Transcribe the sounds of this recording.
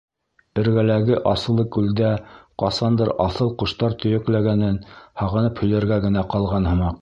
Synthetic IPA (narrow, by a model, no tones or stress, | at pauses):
ɘ̆ɾɡælæɡɘʔɑsɤ̆lˠːɤkʉld̪æqɑsɑnd̪ɤɾɑθɤlˠqŏʃt̪ɑɾt̪ɵ̆jɵ̆klæɡænɘnhɑʁɤ̆nɤphɵ̆jlæɾɡæɡɘ̆næqɑlˠʁɑnhɤ̆mɑq